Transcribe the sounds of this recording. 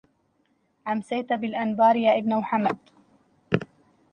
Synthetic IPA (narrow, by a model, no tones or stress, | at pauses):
ʕamsajt̪abɪlʔanbɑːɾjaːʔɪbnawħamːad̪